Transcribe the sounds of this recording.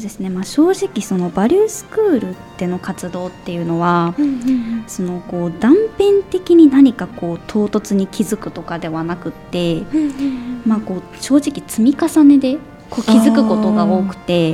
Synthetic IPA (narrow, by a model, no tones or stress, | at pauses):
sod̪e̞sɨne̞maːɕo̞ːʑikʲiso̞no̞baɾʲɯːsɨ̥kɯ̟ːɾɯ̟t̪ːe̞no̞kat͡sɨd̪o̞ːt̪ːe̞jɯ̟no̞βa | so̞no̞ko̞ːd̪ãmpẽ̞nt̪e̞kʲiɲ̟inaɲ̟ikako̞ːt̪ʰo̞ːt̪o̞t͡sɨɲ̟ikʲizɨkɯ̟̥t̪o̞kad̪e̞βanakɯ̟t̪ːe̞ | mako̞ː | ɕo̞ːʑikʲit͡sɨmʲikasane̞d̪e̞ | ko̞ːkʲizɨkɯ̟ko̞t̪o̞ɡao̞ːkɯ̟̥t̪e̞